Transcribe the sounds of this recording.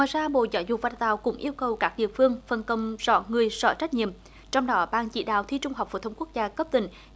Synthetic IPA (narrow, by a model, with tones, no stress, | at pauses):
ŋwaː˨jzaː˧ɓo̰˧˨zɔ˧˦jzʊ˨˩va˨˩t̪a̰ː˧˨wkʊ̰˧˥ŋ͡mʔi˧əwkə˨˩wkaː˦˥k̚ɗḭ˧˨əfɨ˧əŋfə˨˩nkə˧˩wŋ͡mz̥ɔ̰˧˥ŋɨ˨˩əjzɔ̰˧˩t͡ɕa˦˥t̟̚ɲḭ˧˨əm | t͡ɕɔ˧wŋ͡mɗɔ˨˦ɓaː˧˨nt͡ɕḭ˧˩˥ɗa̰ː˧˨wt̪ʰi˧t͡ɕʊ˧ŋ͡mha˨˩wk͡p̚fo̰˧˩t̪ʰə˧wŋ͡mku˦˥k̚zaː˧kə˦˥p̚t̪ï˧˩˦ŋ̟